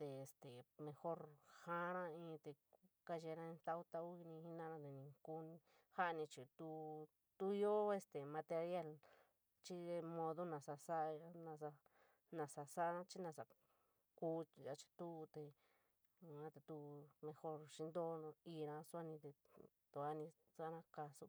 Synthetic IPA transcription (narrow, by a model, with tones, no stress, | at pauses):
t̪e˧e˧˨st̪e˨mẽ˧xo˦˧ɾhã˦ɾã˦ĩ˧˦˧t̪e˧ka˧ʒe˧ɾã˧ẽ˧t̪a˦wt̪a˧u˦i˧nĩ˧hi˦nã˦˧nã˧t̪e˨nĩ˧ku˦nĩ˧ | ha˦ʔnĩ˧t͡ʃi˨t̪u˧ | t̪u˦jo˦e˧st̪e˨mã˧t̪e˧ɾja˦˧˨l | t͡ʃi˦e˧mõ˧ðo˦nã˨sa˧sa˦ʔnã˧sa˧ | nã˧˨sa˧sa˦˧nã˦t͡ʃi˦nã˧sa˨ | kuː˦ja˧t͡ʃi̥˧t̪u˦˧t̪e˧˨ | ã˧˦t̪e˧t̪u˧mẽ˧xo˧ɾʃi˧nd̪õ˦˧i˧ɾã˧su˧˦a˦nĩ˧t̪e˧t̪o˧a˦nĩ˧ | sa˦ɾã˦ka˧su˧˦